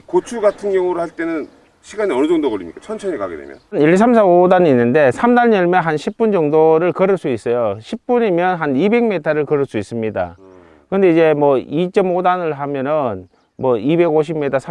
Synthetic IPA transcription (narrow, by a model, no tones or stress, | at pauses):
kot͡ɕʰuɡatʰɯnɡjʌŋuɾohaɭt͈e̞nɯn | ɕʰiɡaniʌnɯd͡ʑʌŋdoɡʌɭḭmɲḭk͈at͡ɕʰʌnt͡ɕʰʌɲika̰ɡedḛmjʌ̰nniɭs̬ʰams̬ʰabodaninːɯnde̞sʰamdanːʌɭmeɦanɕʰip͈̚und͡ʑʌŋdoɾɯɭkʌɾɯɭs͈uis͈ʌjoɕʰip͈̚uɲimjʌnɦanibe̞ɡmitʰʌɾɯɭkʌɾɯɭs͈uis͈ɯmɲida̰ | kɯnde̞id͡ʑe̞mwʌit͡ɕ͈ʌmodanɯɭɦamjʌnɯn | mwʌibe̞ɡoɕ̬ʰibmetʰasʰ